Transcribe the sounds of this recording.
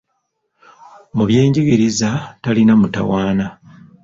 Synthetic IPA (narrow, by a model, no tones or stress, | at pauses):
muβje̞ːɲɟiɡiɾizatalinamuta̰waːna